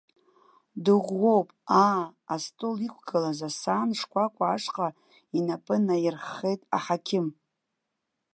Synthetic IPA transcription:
dɨʁʷːo̞wpʼaːstʼulikʷʰɡalazasaːnʂkʷʰʼakʷʼaːʂqʼa | inapʼɨnajɪrχe̞jtʼa̰ħakʲʰɪm

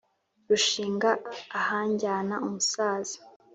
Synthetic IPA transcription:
ɾuʃiːŋɡaːhaːɲɟaːnaumusaːz̥i̥

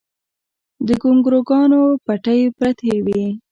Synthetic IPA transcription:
d̪əɡʊŋɡɾoɡɑnopaʈəjpɾat̪ewi

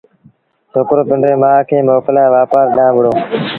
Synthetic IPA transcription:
soːkɾoːpɪɳɖɾeːmãːkʰeːmoːkəlaːeʋaːpaːɾɗãːɓʊɽoː

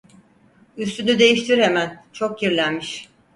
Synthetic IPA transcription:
yst̪ʰynyd̪e̞jiʃt̪ʰiɾemænt͡ʃʰo̞kjiɾlʲænmiʃ

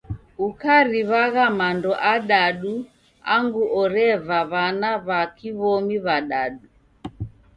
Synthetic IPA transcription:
ukaɾiβaɣamandɔʔaɗaɗu | a̰ŋɡuʔɔɾɛvaβanaβakiβɔmiβaɗaɗu

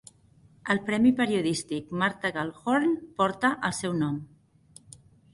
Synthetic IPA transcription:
əlˠpɾɛmipəɾiuðist̪ik̚maɾt̪aɣalˠxoɾnpɔɾt̪əʔəlˠsɛwnɔm

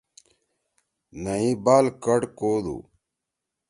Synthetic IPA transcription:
nəĩbaːlkɐɽkoːd̪ṵː

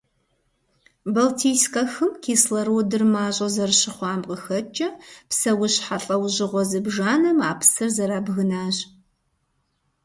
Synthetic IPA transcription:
bɐltʰiːskʼɐxɨmkʰiːslɐɾuːdɨrmaːʑʼɐzɐrɕɪχʷɑːmqəxɐt͡ʃʼɐpsɐwʊɕħaɬʼɐwʑɪʁʷɔzɨbʒaːnɐmaːpʰsɨrzɐɾaːbɣɨnaːʑ

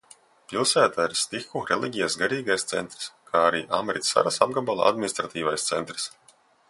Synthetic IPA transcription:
pilˠsæːt̪aiɾst̪ixuɾelʲˠiɡʲijasɡaɾiːɡajst̪sɛ̰nt̪ɾi̥skʰaːaɾḭːʔamʲeɾit̪ʲsa̰ɾasa̰b̚ɡabalˠa̰a̰d̪̚mʲinist̪ɾat̪iːvajst̪sɛ̰nt̪ɾi̥s

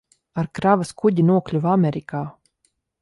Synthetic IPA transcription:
aɾkɾavaskuɟinuɔklʲuvamʲɛɾikaː

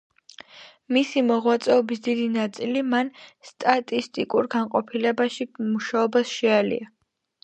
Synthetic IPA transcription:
misimɔʁwat̪sʼɛɔbisd̪id̪inat̪sʼilimanst̪ʼat̪ʼist̪ʼikʼuɾɡanqʼɔpʰilɛbaʃimuʃaɔbasʃɛalḭa

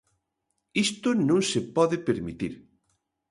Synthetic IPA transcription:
ist̪ʊnõŋsepɔðɪpeɾmit̪ḭɾ

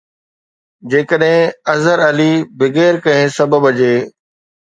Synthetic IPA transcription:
d͡ʑeːkəɗɦɪ̃ɐzəɾɐlibɪɡeːɾkɐ̃ɦẽsɐbəbɐd͡ʑeː

